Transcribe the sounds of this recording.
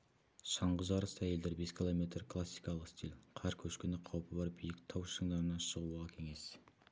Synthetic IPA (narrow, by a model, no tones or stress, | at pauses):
ʃɑɴʁəʒɑɾəsæje̞ld̪eɾbe̞skʲʰilˠo̞me̞t̪ɾklˠasːijkɑlˠəqst̪ʲilʲqʰɑɾkʲʰɵʃkʲenɪqʰɑwpəbɑɾbijɪkt̪ʰɑwʃəɴd̪ɑɾənɑʃəʁuʁɑkʲʰe̞ŋe̞s